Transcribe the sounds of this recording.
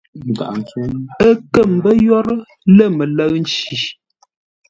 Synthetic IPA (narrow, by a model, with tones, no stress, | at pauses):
ɡa̰˨ʔn˨t͡su˦ə˦kə˦˨m̩˨˦bə˦jɔ˦ɾə˦ | lə˦˨mə˨lə˦ɣn̩˦t͡ʃi˨